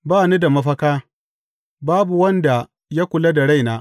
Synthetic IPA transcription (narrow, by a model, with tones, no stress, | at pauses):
baː˦˨ni˦da˨mɐ˦ɸɐ˦kaː˦ | baː˦bu˨wɐ˦nda˨ | ja˦kʷʊ˨la˦da˨ɽa˦˨jnaː˦